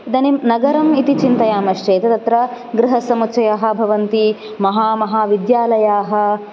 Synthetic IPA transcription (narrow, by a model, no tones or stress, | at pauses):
d̪ɐninɐɡɐɾɐmit̪it͡ʃint̪ɐjaːmɐʃt͡ʃeːt̪ɐt̪ɐt̪ɾɐ | ɡɾɪɦɐsɐmutt͡ʃɐjaːɦɐ̆bʱɐʋɐnt̪i | mɐɦaːmɐɦaːʋid̪jaːlɐjaːɦɐ̆